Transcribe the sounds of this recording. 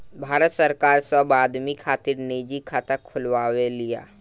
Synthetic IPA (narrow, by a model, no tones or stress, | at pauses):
bʱaːɾət̪səɾkaːɾsabaːd̪mikʰaːt̪ɪɾneːd͡ʒikʰaːt̪akʰʊlwaːwelija̰ː